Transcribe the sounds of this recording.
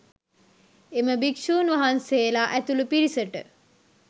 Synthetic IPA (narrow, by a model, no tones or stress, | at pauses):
eməbikʃuːnʋaɦanseːlaʔæt̪ulupiɾisəʈə̰